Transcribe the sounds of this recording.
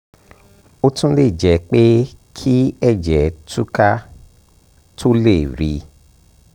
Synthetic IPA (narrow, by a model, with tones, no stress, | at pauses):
o˦tũ˦le˦˨d͡ʒɛ˨˦k͡pe˦kʰi˦ɛ˦˨d͡ʒɛ˨tu˦ka˦ | tʰo˦le˦˨ɾi˨˧